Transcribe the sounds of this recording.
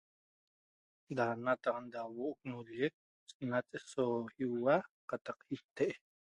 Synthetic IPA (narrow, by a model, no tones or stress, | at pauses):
d̪anat̪aʁand̪awoʔok̚nuljek̚ | sʼnat͡sʼesohiwaqat̪ɑqhiht̪eʔe